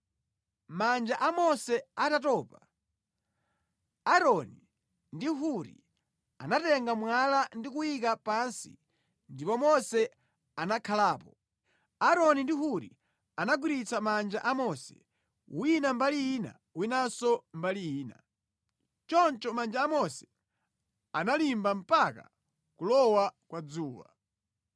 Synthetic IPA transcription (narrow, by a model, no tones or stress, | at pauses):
mand͡ʒaʔamɔsɛatatɔːpa | aɾɔni | ndiɦuɾḭ | anatɛŋɡamwalandik̬uik̬apansḭ | ndipɔmɔsɛ | anakʰalaːpɔ | aɾɔnindiɦuɾḭ | anaɡwiɾit͡samand͡ʒa̰ʔamɔsɛ̰ | winambaliina̰ | winasɔmbalijiːna̰ | t͡ʃɔnt͡ʃɔmand͡ʒaːmɔsɛ̥ | analimbam̩paka̰ | kulɔwakwad͡zuːwa̰